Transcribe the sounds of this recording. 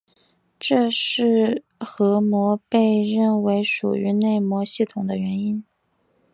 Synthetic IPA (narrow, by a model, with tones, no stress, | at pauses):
ʈ͡ʂɤ˥˧ʂɻ̩˥˩ | xɤ˧˥mwɔ˧˥pe˥˧ɪɻə˥˩nwe˧˥ɪʂṵ˨˩y˧˥ne˥˩ɪmwɔ˧˥ɕi˥˩t̪ʰʊ˨˩ŋd̪ə˦ɥɛ˧˥ni˥n